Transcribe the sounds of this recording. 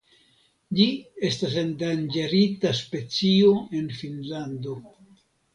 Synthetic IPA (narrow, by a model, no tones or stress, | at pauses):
d͡ʒie̞stas̬e̞ndand͡ʒeɾitaspe̞t͡sio̞e̞nfinlando̞